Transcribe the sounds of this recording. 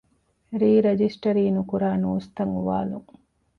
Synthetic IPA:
ɾiːɾed͡ʒisʈɐɾiːnukuɾaːnuːst̪ɐŋuʋa̰ːluŋ

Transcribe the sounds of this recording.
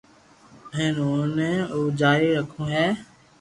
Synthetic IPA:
ɦẽːnoːnẽːoːd͡ʒaːɾiːɾəkʰõːɦɛː

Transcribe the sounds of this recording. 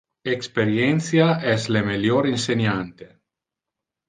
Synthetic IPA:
ekspeɾjenθjaɛzlemeljoɾinsenant̪e

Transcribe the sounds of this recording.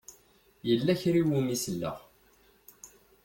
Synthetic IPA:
jəlːæçɾiwumisəlːə̰ʁ

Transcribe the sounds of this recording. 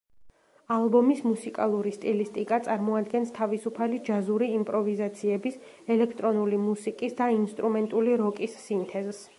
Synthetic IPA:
alˠbɔmismusikʼalˠuɾist̪ʼilist̪ʼikʼat̪sʼaɾmɔad̪ɡɛnst̪ʰavisupʰalid͡ʒazuɾiːmpʼɾɔvizat̪sʰiɛbis | ɛlɛkʰt̪ʼɾɔnulimusikʼisd̪ainst̪ʼɾumɛnt̪ʼuliɾɔkʼisːint̪ʰɛzɛs

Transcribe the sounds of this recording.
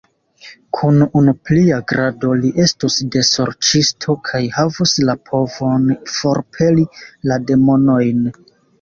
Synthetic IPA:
kʰununupliaɡɾado̞liʔe̞stusde̞so̞̰ɾt͡ʃistʰo̞kʰajhavuslapʰo̞vo̞nfo̞ɾpʰe̞lilade̞mo̞no̞jn

